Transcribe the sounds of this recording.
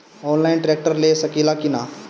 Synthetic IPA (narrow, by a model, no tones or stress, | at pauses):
ɔnlainʈɾek̚ʈəɾlesəkilakina